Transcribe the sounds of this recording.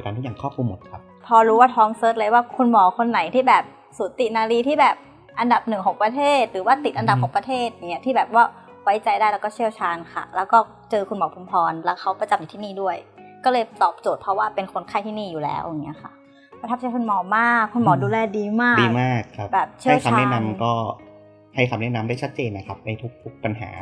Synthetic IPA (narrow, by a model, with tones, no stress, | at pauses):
kaː˧nt̪ʰiː˥˩jaː˨˩ŋkʰɔː˥˩p̚kʰu˧mːo˨˩˦t̪̚kʰa˦˥p | pʰɔː˧ɾuː˦˥waː˥˩t̪ʰɔː˦˥ŋsɤː˦˥t̪̚lɤ˧jwaː˥˩kʰu˧nmɔː˩˦kʰo˧nːa˩˦jt̪ʰiː˥˩bɛː˨˩p̚ | suː˨˩˦t̪i˨˩naː˧ɾiː˧t̪ʰiː˥˩bɛː˨˩p̚ | ʔa˧nda˨˩p̚nɯ˨˩ŋkʰɔː˩˦ŋpɾa˧t̪ʰeː˥˩t̪̚ɾɯː˩˦waː˥˩t̪i˨˩t̪̚ʔnda˨˩p̚kʰːŋpɾa˧t̪ʰeː˥˩t̪̚ja˨˩ŋːi˦˥t̪ʰiː˥˩bɛː˨˩p̚waː˥˩ | wa˦˥jt͡ɕa˧jdaː˥˩jlɛ˦˥wkɔː˥˩t͡ɕʰi˥˩əwt͡ɕʰaː˧nkʰa̰˥˩lɛː˦˥wkɔː˥˩ | t͡ɕɤː˧kʰu˧nmɔː˩˦pʰu˧mpʰɔː˧nlɛː˦˥wkʰa˦˥wpɾa˧t͡ɕa˧mja˨˩t̪ʰiː˥˩niː˥˩du˥˩əjkɔː˥˩lɤː˧jt̪ɔː˨˩p̚t͡ɕo˨˩t̪̚pʰɾɔ˦˥waː˥˩pe˧nkʰo˧nkʰa˥˩jt̪ʰiː˥˩niː˥˩juː˨˩lɛ̰ː˦˥wʔja˨˩ŋːi˦˥ɐkʰa̰˥˩ʔ | kʰːtʰa˦˥˩t͡ɕaː˧˥jkʰu˧nmɔː˨˧maː˥˩kʰːu˧nmɔː˨˩˦duː˧lɛː˧diː˧maː˥˩diː˧maː˥˩k̚ʰːbɛː˨˩p̚t͡ɕʰi˥˦˥wtt͡ɕʰa˧aː˧nɛ˦˥na˧˥mkɔː˥˩ | ha˥˩j̪ʰa˧mnɛ˦˥˩ʔna˧mdaː˥˩jt͡ɕʰa˦˥t̪̚t͡ɕeː˧nːa˦˧kʰa˦˥p̚na˧˩jt̪ʰu˦˥k̚t̪ʰu˦˥k̚pa˧nɦa̰ː˩˦